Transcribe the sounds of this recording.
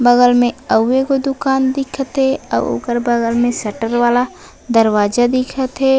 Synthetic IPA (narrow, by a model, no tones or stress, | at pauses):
bɐɡəlmẽɐwːekod̪ʊkaːnd̪ɪkʰət̪ɦɛɐ̰o̰ːkəɾbɐɡəlmẽsɐʈəɾʋaːla | d̪ɐɾwaːd͡ʒad̪ɪkʰət̪ɦɛː